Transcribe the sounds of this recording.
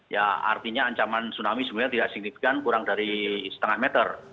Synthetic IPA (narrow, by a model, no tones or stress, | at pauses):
ja̰a̰rt̪iɲaːɲt͡ʃamansunamisəmiat̪idaʔsiŋlit̪̚kankuɾaŋdaɾisə̥t̪əŋahmɛt̪ər